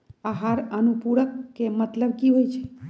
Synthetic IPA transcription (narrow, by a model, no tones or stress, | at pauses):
aɦaɾənupuɽəkːemət̪ləb̚kiɦojt͡ʃʰe̥